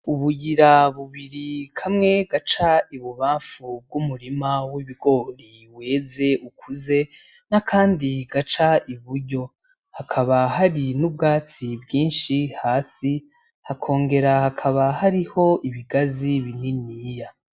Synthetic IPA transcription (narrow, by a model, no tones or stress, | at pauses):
uβujiɾaβuβiɾikʰamŋe̞ɡat͡ʃaiβuβaːɱfub̚ɡumuɾimawiβiɡo̞ɾi | we̞ːze̞ukʰuze̞ | nakʰaːndiɡat͡ʃaʔiβuɾɟo̞ | hakʰaβaɦaɾinubɡaːt͡sibjiːnʃihaːsi | hakʰo̞ːŋɡe̞ɾahakʰaβahaɾiho̞ʔiβiɡaziβininiːja